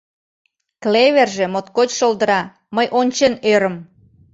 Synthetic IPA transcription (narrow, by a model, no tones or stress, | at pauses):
kleβerʒe̽mot̪̚kot͡ɕʃold̪əɾɑ | məjʔonʲt͡ɕenøɾəm